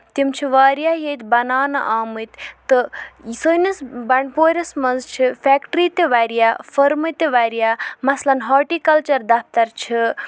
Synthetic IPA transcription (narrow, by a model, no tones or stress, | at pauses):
t̪imt͡ʃʰiʋaːɾjaɦet̪bɐnaːnɐ̰ʔaːmɨt̪t̪ɨsojnɐsbɐɳpoːɾɐsmɐnzt͡ʃʰipʰɛkʈɾit̪eʋaɾijapʰɐɾmɨt̪eʋaɾijamɐslɐnɦɐɾʈikɐlt͡ʃɐɾd̪ap̚ʰt̪ɐɾt͡ʃʰi